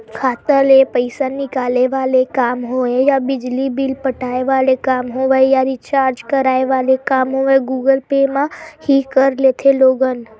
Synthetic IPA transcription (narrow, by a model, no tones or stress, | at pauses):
kʰaːt̪əlẽpəɪsanɪkaːleʋaːlekaːmɦoejabɪd͡ʒlibɪlpəʈʰaːeʋaːlekaːmɦoʋajaɾɪt͡ʃaːɾd͡ʒkəɾaːeʋaːlekaːmɦoẽɡuːɡəlpeːmãhikəɾleːt̪ʰeloːɡən